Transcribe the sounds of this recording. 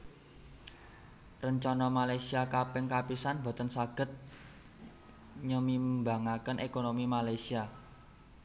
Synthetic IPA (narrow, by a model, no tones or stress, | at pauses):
rəɲt͡ʃɔnɔmalajsiakapɪŋkapisanbo̤t̪ənsaɡ̥ə̤t̪̚ | ɲəmibaŋakənʔekonomimalajsia